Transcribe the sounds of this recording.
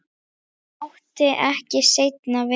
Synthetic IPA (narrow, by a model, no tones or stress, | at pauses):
awht̪ɪʔɛhcɪsejt̪navɪ